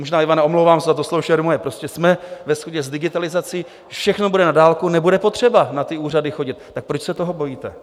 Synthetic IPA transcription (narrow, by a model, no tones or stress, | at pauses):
moʒnaːivanaʔomlowvaːmsɛzat̪̬oslowʃɛɾmojɛpɾo̞scɛsmɛvɛsxoɟɛzdɪɡɪt̪alɪzat͡siː | fʃɛxno̞budɛnadaːlkunɛbudɛpot̪r̝̥ɛbanat̪ɪuːradɪxo̞ɟɪt̪̚ːak̚pɾot͡ʃsɛt̪o̞ɦobo̞jiːt̪ɛ